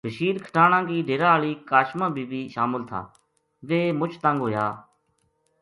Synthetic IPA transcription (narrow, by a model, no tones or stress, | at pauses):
bʱəʃiːɾkʰə̥ʈʰaːnãːkiːɖʱeːɾaːaːɭiːkaːʃmãːbʱiːbiːʃaːmɪlt̪ʰa̰ː | ʋeːmʊt͡ʃʰt̪ãŋɡɦoːja̰ː